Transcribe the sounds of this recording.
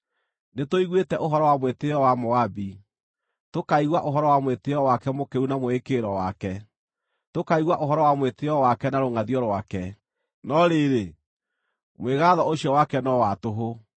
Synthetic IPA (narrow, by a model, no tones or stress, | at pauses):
netoiɣwetɛʔoɦɔɾɔwamweteɔwamoabi | tokaiɣwaʔoɦɔɾɔwamweteɔwakɛmokeunamoekeɾɔwakɛ | tokaiɣwaʔoɦɔɾɔwamweteɔwakɛnaɾoŋaðiɔɾwakɛ | nɔɾeɾe | mweɣaðɔoɕiɔwakɛnɔwatoɦo